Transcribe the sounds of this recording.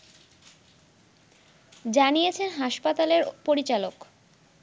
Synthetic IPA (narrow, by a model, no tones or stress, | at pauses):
d͡ʑanijet͡ɕʰenɦaʃpat̪aleɾpoɾit͡ɕalok